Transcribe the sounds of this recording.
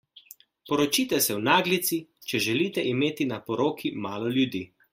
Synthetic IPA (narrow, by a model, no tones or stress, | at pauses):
pɔɾɔt͡ʃiːt̪ɛsɛwnaːɡlit̪sit͡ʃɛʒɛliːt̪ɛʔimeːt̪inapɔɾoːkʰimaːlɔljud̪iː